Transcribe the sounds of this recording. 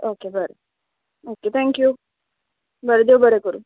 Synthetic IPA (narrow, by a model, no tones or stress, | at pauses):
okebəɾe | oːket̪ʰɛ̃ŋkju | bəɾed̪ewbəɾekəɾu